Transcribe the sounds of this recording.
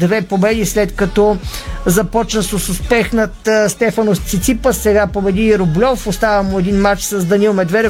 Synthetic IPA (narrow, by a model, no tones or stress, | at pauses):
d̪vɛpobɛd̪islɛt̪kɐt̪ɔzɐpɔt͡ʃnəsəsʊspɛxnət̪st̪ɛfɐnost̪sit̪sipəsɛɡapoɾɛd̪iɾʊblʲɔfʊst̪avɐmʊɛd̪inmat͡ʃsɐzd̪ɐnilˠmɛd̪vɛɾ